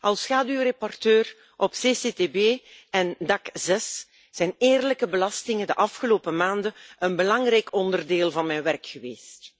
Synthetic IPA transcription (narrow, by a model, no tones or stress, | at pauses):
ʔɑlˠsxaːdyrepɔrtøːr | ʔɔpseːseteːbeːɛndɑkzɛs | z̥ɛjneːrləkəbəlɑstɪŋədəʔɑfxəloːpəmaːndəʔənbəlɑŋɾɛjkɔndərdeːlˠvɑnmɛjnʋɛrkxəweːst